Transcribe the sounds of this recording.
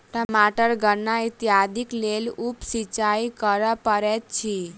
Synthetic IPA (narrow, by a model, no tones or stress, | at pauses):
ʈəmaʈəɾɡəɾnait̪jad̪ʱiklelupsit͡ʃaikəɾəpəɾet̪t͡ʃʰi